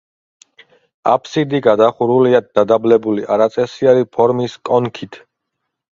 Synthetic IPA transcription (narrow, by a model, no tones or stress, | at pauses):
a̰pʰsid̪iɡad̪aχuɾuliad̪̚d̪ad̪ablɛbuliʔaɾat̪sʼɛsiaɾipʰɔɾmiskʼɔnkʰit̪ʰ